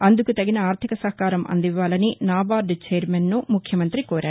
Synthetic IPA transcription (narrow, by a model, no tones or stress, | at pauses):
ɐnd̪ukut̪ɐɡinɐaːɾt̪ʰikɐsɐɦɐkaːɾɐmɐ̰nd̪iʋːaːlɐninaːbaːɾɖt͡ʃeːɾmenːumukʰjɐmɐnt̪ɾikoːɾa̰ːɾu